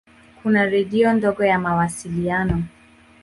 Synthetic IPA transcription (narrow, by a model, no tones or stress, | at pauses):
kunaɾɛɗiɔndɔɡɔjamawasilianɔ